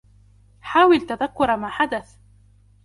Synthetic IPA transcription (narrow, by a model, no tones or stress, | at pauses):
ħaːwɪlt̪aðakːʊɾˤmaːħad̪aθ